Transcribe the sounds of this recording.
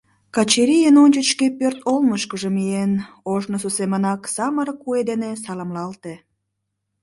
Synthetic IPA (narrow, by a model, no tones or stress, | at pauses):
kɑt͡ɕeɾijənonʲt͡ɕət͡ɕkepørt̪olməʃkəʒəmien | oʒnos̬usemənɑksɑməɾəkːued̪enesɑlɑmlɑlt̪e